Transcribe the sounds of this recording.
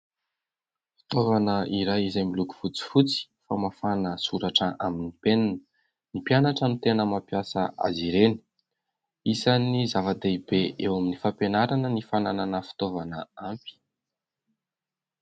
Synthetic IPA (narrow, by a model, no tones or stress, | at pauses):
fi̥t̪ovanəʔiɾajizamiluku̥fut͡si̥fut͡si̥famafanəsuɾaʈ͡ʂəʔaminipenanə̥ | nipjanaʈ͡ʂənut̪enəmapjasə̰a̰ziɾeni̥ | isanizavad̪eibeʔewaminifampenaɾanənifanananəfi̥t̪ovanəampi̥